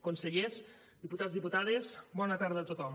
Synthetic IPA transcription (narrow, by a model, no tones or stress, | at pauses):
konseʎez | d̪iput̪azðiput̪aðezbɔnət̪aɾðət̪ot̪ɔm